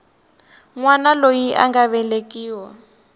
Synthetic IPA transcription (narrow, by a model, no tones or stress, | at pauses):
ŋwanalojiʔa̰ŋɡaβɛlekʼiːwɔ